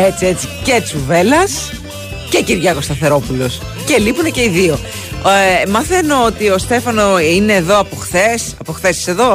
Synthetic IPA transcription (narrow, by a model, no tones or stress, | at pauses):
et͡sie̞t͡sicet͡suve̞lɐs | ce̞ciɾʝɐko̞st̪ɐθe̞ɾo̞pulo̞s | ce̞lipunece̞iðio̞ | mɐθe̞no̞ot̪io̞st̪e̞fɐnoine̞ːðo̞ɐpoxθesɐpo̞xθe̞si̥se̞ðo̞